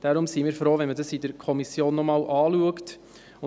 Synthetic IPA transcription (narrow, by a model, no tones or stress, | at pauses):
d̥aɾʊmsiːmiːɾfɾoːvɛnmədɑsidəɾkʰɔmisjoːnːɔmɑːlʔɑːluəkt | ʊ